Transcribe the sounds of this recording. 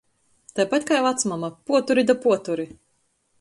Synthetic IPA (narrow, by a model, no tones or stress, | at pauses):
t̪ajpat̪ʲkajvˠat̪smamapuɔt̪uɾid̪apuɔt̪uɾi